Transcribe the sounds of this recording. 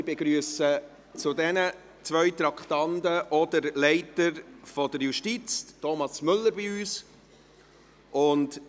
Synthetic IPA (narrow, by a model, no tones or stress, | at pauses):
ɪbeɡɾyəsə | t͡sʊdɛnə | t͡svœʏt̪ɾɑkχtɑndəʔɔdəɾlɛɪtəɾfɔdəɾjuʃtit͡stɔmɑsmʏlːəɾbiyːs | ʔʊnd